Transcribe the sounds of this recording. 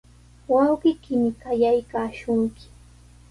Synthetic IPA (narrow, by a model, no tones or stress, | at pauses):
wawɢɪkɪmɪkajajkaːʃʊŋkɪ̥